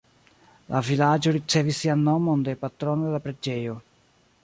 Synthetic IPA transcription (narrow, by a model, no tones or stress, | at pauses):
lʔavilad͡ʒoɾit͡ʃevisianːomond̪epat̪ɾonod̪elapɾed͡ʒeo